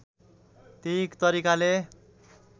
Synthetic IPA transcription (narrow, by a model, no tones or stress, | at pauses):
t̪ikt̪ʌɾikale